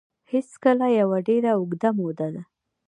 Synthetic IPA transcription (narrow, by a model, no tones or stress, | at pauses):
heskəlajawaɖeɾaʊɡd̪amod̪ad̪a